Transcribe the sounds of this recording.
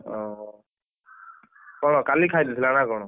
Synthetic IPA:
ɔ | kɔɽ̃ɔkalikʰajdisʰilanakɔñɔ

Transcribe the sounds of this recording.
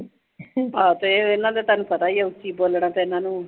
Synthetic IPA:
ɦãːt̪oːeːɪnːãːd̪eːt̪aːnũːpət̪aːiːeʊt͡ʃːiːboːlɽ̃ãːt̪eɪnãːnũː

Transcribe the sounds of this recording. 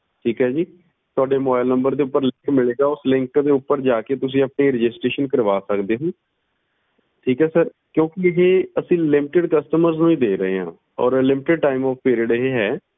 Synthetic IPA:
ʈʰiːkɦɛːd͡ʒiː | t̪ʊaːɖeːmobajlnəmbəɾd̪eːʊpːəɾlɪ̃ŋkmɪleːɡaːʊslɪ̃ŋkd̪eːʊpːəɾd͡ʒaːkeːt̪ʊs̬ĩːəpɳeːɾɪd͡ʒɪsʈɾeːʃənkəɾʋaːsəkd̪eːɦõː | ʈʰiːkɦɛːsəɾ | kjõːkɪɦeːəsĩːlɪmɪʈɪɖkəsʈəməɾznũːiːd̪eːɾəɦḛːɦã̰ː | ɔ̰ːɾlɪmɪʈɪɖ̚ʈaːɪmɔːfpiːɾiəɖɪɦeɦɛː

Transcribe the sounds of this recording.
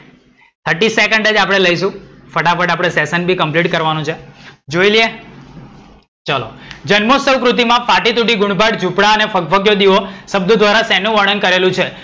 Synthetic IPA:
t̪ʰəʈisekəɳɖəd͡ʒapɽ̃eləiʃũfəʈafʰəʈapɽ̃esesənbʱikəmpliʈkəɾʋanũt͡ʃʰed͡ʒoilie | t͡ʃəlo̰d͡ʒənmosəwkɾut̪̬imãfaʈit̪uʈiɡuɳ̃bʱaʈd͡ʒʱupɽaənefək̚fəɡjod̪iʋosəb̚d̪ud̪ʱʋaɾasɛnũʋəɳənkəɾelũt͡ʃʰe

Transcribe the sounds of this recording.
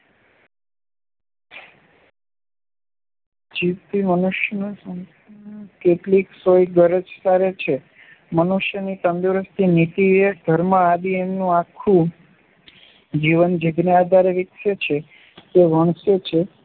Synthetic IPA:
d͡ʒiʋt̪imənuʃjənũsən | keʈliksojɡəɾəd͡ʒsaɾet͡ʃʰe | mənuʃjənit̪ə̃nd̪uɾəst̪ʰinit̪ieɡ̪ʱəɾməabiemnũakʰːũ | d͡ʒiʋənd͡ʒiɡniad̪ʱaɾeʋikʃət͡ʃʰe | t̪eʋəɳ̃sjət͡ʃʰe

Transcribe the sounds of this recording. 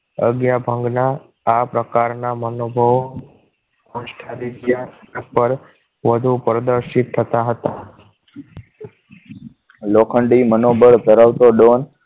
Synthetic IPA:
ə̰ɡjabʱə̃ŋɡnaː | pɾəkaɾnamənobʱəʋ | kɔ̃ʃʈʰad̪id̪japəɾ | ʋəd̪ʱupɾəd̪əɾʃit̪ʰːət̪aɦət̪a | lokʰəɳɖimənobʱəɽt̪əɾaʋt̪oɖon

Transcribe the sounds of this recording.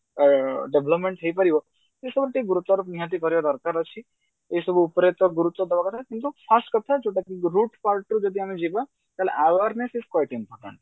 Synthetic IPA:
ɖebləpmẽɳʈt̪ʰəipəɾiʋo | esəbʈ̪iɡuɾut̪ʋaɾupniɦat̪̬ikəɾjod̪ɔɾkaɾət͡ʃʰi | esubʱuːpɾet̪ɔɡuɾut̪ʋɔd̪əʋakət̪ʰakint̪ufʰasʈkət̪ʰat͡ʃʰoʈakiɾuʈpalʈud͡ʒod̪ʱiamẽd͡ʒiʋa | t̪aleʔaʋəɾnesizkwajʈimpɔɾʈə̰̃ɳʈ

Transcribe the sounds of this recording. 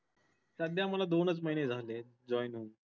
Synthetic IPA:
sad̪jaməlad̪onət͡sməɦined͡zʱale | d͡ʑɔjnɦun

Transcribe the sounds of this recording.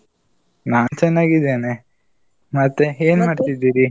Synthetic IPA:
naːnt͡ɕɛnːaːɡid̪eːne | mɐt̪ːeeːnumaɖit̪id̪ːiːɾi

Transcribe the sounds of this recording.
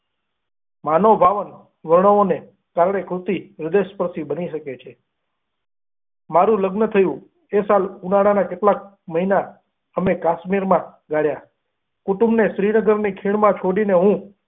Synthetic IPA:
manobʱaʋən | ʋəɾɳəone | kaɾɽekɾut̪iɾɪd̪eʃpəɾsibəniʃəket͡ʃʰe | maɾũləɡnət̪ʰəjũ | esalkunaɽanakeʈlak̚ | məɦina | əmekaʃmiɾmãɡaɽja | kuʈũmbneʃɾinəɡəɾnikʰiɭmãt͡ʃʰoɽineɦũ

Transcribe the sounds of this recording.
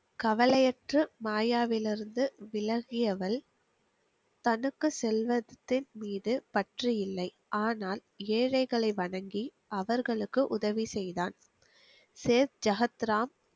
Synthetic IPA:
kɐʋɐlɐjɐʈrɯmaːjaːʋɪlɪɾɯnd̪ɯʋɪlɐɣɪjɐʋɐl | t̪ɐnɯkːɯsɛlʋɐðt̪ːɪnmiːðɯpɐʈrijɪlːɐɪ | ʔaːnaːl | eːɻɐɪɣɐɭɐɪʋɐɳɐŋɡi | ʔɐʋɐɾɣɐɭɯkːɯʔʊðɐʋisɛjðaːn | seːɾd͡ʒɐɣɐt̪ɾaːm

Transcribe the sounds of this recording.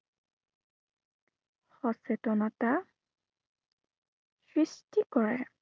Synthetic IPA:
xɔsɛtɔnɔta | sɹistikɔɹɛ

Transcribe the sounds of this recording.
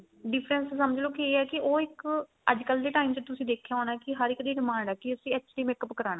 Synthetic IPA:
ɖɪpʰɾənsːəməd͡ʒloːkieːɛːkɪʔoːɪk | ə̰d͡ʒkəld̪eːʈaːimt͡ʃət̪ʊsĩːd̪eːkʰːjaːɦoːnaːkɪɦəɾɪkd̪iːɖɪmãːɳɖɛːkɪəsĩːət͡ʃliːmeːkəpkəɾaːnãː

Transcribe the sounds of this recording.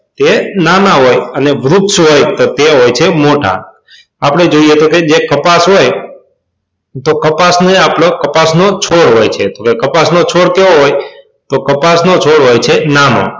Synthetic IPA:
t̪enanaɦojəneʋɾukʃɦojt̪ot̪eɦojt͡ʃʰemoʈa̰ | apɽ̃ed͡ʒoiet̪oked͡ʒekəpasɦoj | t̪okəpasneapɽokəpasnot͡ʃʰoɽɦojt͡ʃʰet̪okekəpasnot͡ʃʰoɽkeoɦoj | t̪okəpasnot͡ʃʰoɽɦojt͡ʃʰenano̰

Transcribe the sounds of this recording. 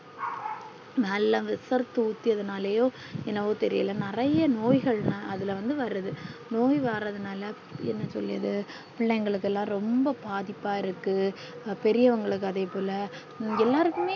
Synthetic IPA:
nɐlːɐ̃ʋɪsɐɾt̪ːɯʊt̪ːiɐðɐnaːleːjõː | ɛnːɐʋoːt̪ɛɾɪjɐ̰lɐnɪrɐjɐnoːjɣɐɭnɐʔɐðɪlʋɐnd̪ɯʋɐɾɯðɯnoːjʋaːɾɐðɯnaːlɐ | ɛ̰nːɐsɔ̰lːɪɐðɯ | pɪɭːɐŋɡɐɭɯk̬ːɛlːãːɾɔmbɐpaːðɪpːaːɪɾɯkːɯ | pɛɾɪjɐʋɐŋɡɐɭɯkːɯɐðeːpoːlɐ | ɛlːaːɾɯkːɯmeː

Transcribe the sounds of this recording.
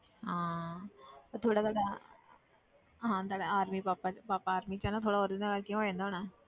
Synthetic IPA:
ɦãː | t̪at̪ʰoːɽaːt̪aːɖaː | ɦãːt̪aːɖaaːɾmiːpaːpapaːpaːɾmiːt͡ʃɛːnaːt̪ʰoːɽaːɦoːɾd̪ɪ̃nd̪aːɡaːlkɪjõɦoːd͡ʒãːnd̪aɦoɳãː

